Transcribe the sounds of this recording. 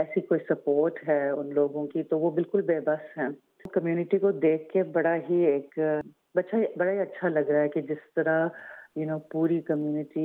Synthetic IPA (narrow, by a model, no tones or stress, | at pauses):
ɛːsikoːisɐpoːɾʈɦɛːʊnloːɡõkit̪oʋobɪlkʊlbeːbɐsɦɛ̃ː | kɐmjuːnɪʈikod̪eːkʰːebɐɽaɦieːk | bɐtːʃaibɐɽaɦiɐtːʃʰalɐɡɾaaɦɛkid͡ʒɪst̪ɐɾajʊnoːpuːɾikɐmjuːnɪʈi